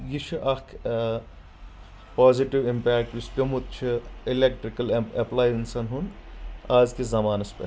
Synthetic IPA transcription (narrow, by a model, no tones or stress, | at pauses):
jit͡ʃʰɨʔɐkʰ | paːziʈiʋimpɛːk̚ʈʋist̪ʲumut̪̚t͡ʃʰiɪlek̚ʈɾikɐlɐplaːjɪnsɐnɦunaːzkezɐmaːnɐspḛ